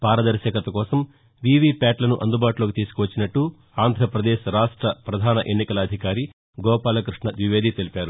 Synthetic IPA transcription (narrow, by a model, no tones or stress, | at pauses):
paːɾɐd̪ɐɾʃɐːkɐt̪ɐkɔːsɐm | ʋiʋiːpʲaːʈlɐnuʔɐnd̪ubaːʈuloːkit̪iːsu̥kuʋɐt͡ʃːinɐʈːu | aːnd̪ʱɾɐpɾɐd̪eːʃɾaːʂʈɾɐpɾɐd̪ʱaːnɐʔenːikɐlɐːd̪ʱikaːɾi | ɡɔːpaːlɐkɾuʂɳɐʋiʋe̞ːd̪it̪elipʲaːɾu